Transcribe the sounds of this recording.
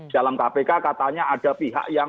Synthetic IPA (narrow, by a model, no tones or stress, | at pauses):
d̥a̤lamkapekakat̪aɲaaɖ̥a̤piɦa̰ʔja